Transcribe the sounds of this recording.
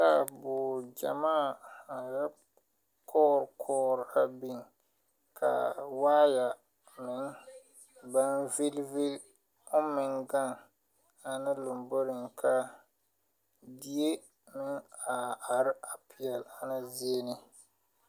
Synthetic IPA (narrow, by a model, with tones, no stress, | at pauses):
ta˦bʊ˨d͡ʒa̰˨maː˦˨a˨ja˦ | kʰɔː˦ɾkʰɔː˦ɾa˨bi˦ŋ | kʰa̰˨waː˦ja˨ | mɪ˨ŋ | ba˦nvɪ˦lvɪ˦l | ʊ˦mɪ˨ŋɡa˦˨ŋ | a˨nɪ˦lʊ˨mbo˦ɾɪ˨ŋkʰa˦ | di˦e˦ | mɪ˦ŋa˨a˨ɾɪ˦a˨pi˨ɛ˨la˨nɪ˦zi˦e˦nɪ˦